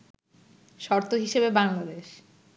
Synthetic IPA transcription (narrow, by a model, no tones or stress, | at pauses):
ʃɔɾt̪oɦiʃebebaŋlad̪eʃ